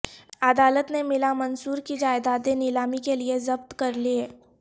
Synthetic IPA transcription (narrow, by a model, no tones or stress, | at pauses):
ɐd̪aːlət̪nemɪlamɐnsuːɾkid͡ʒaːɪd̪aːt̪enɪlaːmikeliezɐbt̪kɐɾlieː